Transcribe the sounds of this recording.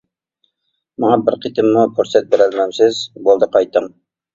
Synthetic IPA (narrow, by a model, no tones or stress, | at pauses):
mɑŋɑbɪɾqʰit̪ɪmːupʰoɾsɛt̪̚beɾælmɛmsɪzbolˠd̪əqʰɑjt̪ʰːəŋ